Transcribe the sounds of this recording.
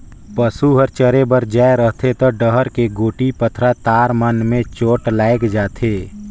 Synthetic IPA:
pəsuɦəɾt͡ʃəɾebəɾd͡ʒaːeɾəɦt̪ʰet̪ɔɖəɦəɾkeɡoːʈipət̪ʰɾat̪aːɾmənmẽt͡ʃoːʈlaːɪkd͡ʒaːt̪ʰeː

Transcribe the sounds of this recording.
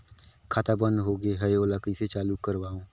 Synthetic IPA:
kʰaːt̪abə̃nd̪ɦoːɡeɦɛjoːlakiset͡ʃaːlukːəɾwaːõː

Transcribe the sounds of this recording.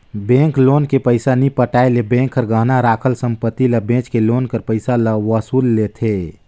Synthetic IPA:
bẽŋkloːnkepəɪsanipəʈaelebẽŋkʰːəɾɡəɦnaɾaːkʰəlsəmpət̪ːiləbẽt͡ʃkeloːnkəɾpəɪsaləʋəsuːlːet̪ʰe

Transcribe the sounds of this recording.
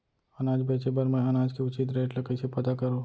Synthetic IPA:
ɐnaːd͡ʒbeːt͡ʃepɐɾmɛ̃ɐnaːd͡ʒkeʊt͡ʃit̪̬ɾeːʈlɐkəɪsepɐt̪akɐɾoː

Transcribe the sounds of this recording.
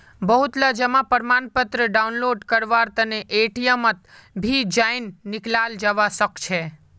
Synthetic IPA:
bəɦut̪lad͡ʒəmãpəɾmanpət̪ɾəɖaunloɖkəɾʋaɾt̪əneʔeʈijəmət̪ | bʱid͡ʒajnːɪklald͡ʒəʋasəkt͡ʃʰe

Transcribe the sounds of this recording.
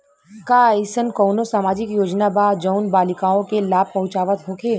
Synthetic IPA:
kaːisənkoːnosaːmaːd͡ʒɪkjoːd͡ʒnabaːd͡ʒəʊnbaːlɪkaːõkelaːb̚pɐɦʊ̃t͡ʃaːʋət̪ɦoːkʰeː

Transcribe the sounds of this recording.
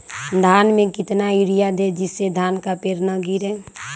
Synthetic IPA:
d̪ʱaːnmẽkɪt̪naiɾijad̪ed͡ʒɪsːed̪ʱaːnkapeːɾnaɡiɾɛ

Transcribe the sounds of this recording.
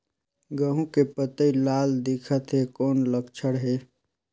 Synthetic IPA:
ɡəɦũkepət̪əilald̪ikʰət̪ɦekoːnləɡt͡ʃʰəɽɦe

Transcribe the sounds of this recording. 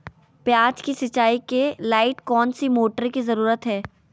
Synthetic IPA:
pjaːt͡ʃkisɐt͡ʃːaːikelaːɪʈkɔːnsimoːʈəɾkizɐɾuːɾət̪ɦɛː

